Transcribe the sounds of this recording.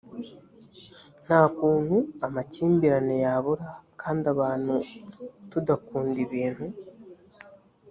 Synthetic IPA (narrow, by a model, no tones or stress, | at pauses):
n̥aːkuːŋuamaciːmbiɾanejaβuɾakʰaːndiaβaːn̥hutudakuːndiβiːnhu